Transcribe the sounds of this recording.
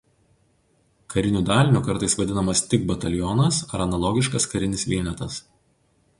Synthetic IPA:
kɐɾʲɪnʲuːd̪ɑːlʲnʲukɐɾt̪ɐɪsʋɐd̪ʲɪnɐmɐst̪ʲɪɡ̚bɐt̪ɐlʲjɔnɐsɐɾɐnɐlˠɔɡʲɪʃkɐskɐɾʲɪnʲɪsʋʲiːnʲɛt̪ɐs

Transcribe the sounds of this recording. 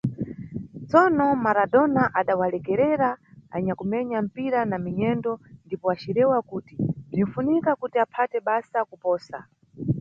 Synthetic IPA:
t͡sɔnɔmaɾadɔnaʔaɗawalɛkɛɾɛɾaa̰ɲakumɛɲam̩piɾanamiɲɛndɔndipɔat͡ʃiɾɛwakuːtindin̩funikakutiapʰatɛɓasakupɔːsa̰

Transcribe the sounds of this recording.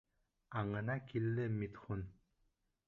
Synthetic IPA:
aŋɤ̆nakilːɘmit̪χun

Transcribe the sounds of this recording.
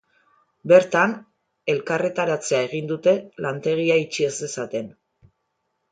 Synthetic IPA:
be̞ɾt̪an | e̞lkare̞t̪aɾat͡se̞ae̞ɣ̞ind̪ut̪e̞lant̪e̞ɣ̞iait͡ʃie̞se̞sat̪e̞n

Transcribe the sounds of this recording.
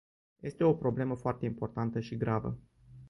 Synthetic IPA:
je̞st̪e̞o̞pɾo̞ble̞məfoart̪e̞impo̞rt̪ant̪əʃiɡɾavə̰

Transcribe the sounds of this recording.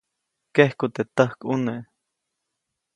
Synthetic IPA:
kehkut̪et̪əhkʔuneʔ

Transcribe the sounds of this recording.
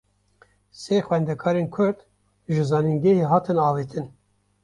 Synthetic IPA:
seːxwɛnd̪ɛkʰɑːɾeːnkʰʊɾd̪ | ʒɨzɑːninɡɛheɦɑːt̪ʰɨnɑːvet̪ʰɨn

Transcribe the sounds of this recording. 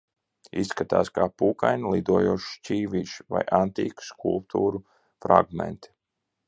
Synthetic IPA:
isːkat̪aːskaːpuːkajnlˠid̪uɔjuɔʃt͡ʃʲiːviːʃva̰jʔant̪iːku̥skulˠp̚t̪ʰuːɾu | fɾa̰ɡmḛnt̪i̥

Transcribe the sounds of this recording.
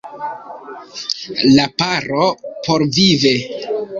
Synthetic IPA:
lapaɾopo̞ɾvive

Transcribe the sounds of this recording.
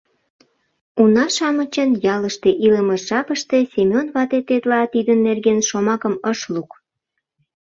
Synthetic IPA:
unɑʃɑmət͡ɕənjɑləʃt̪eʔiləməʃʒɑpəʃt̪e̽sʲemʲionβɑt̪et̪et̪lɑt̪id̪ənːerɣenʃomɑkə̆məʃluk

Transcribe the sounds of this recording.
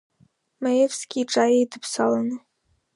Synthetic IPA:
majevskʲiːʈ͡ʂʼajejdɨpʰsalˠanɨ

